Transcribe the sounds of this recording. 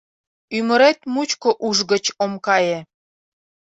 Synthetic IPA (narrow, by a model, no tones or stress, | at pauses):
yməɾet̪mut͡ɕkoʔuʒɣə̆t͡ɕomkɑje